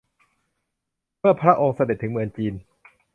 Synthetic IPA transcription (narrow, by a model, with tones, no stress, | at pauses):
mɯ˥˩ɐpʰɾa˦˥ʔoː˧ŋsa˧de˨˩t̪ʰːɯ˩˦mɯ˧əŋt͡ɕiː˧n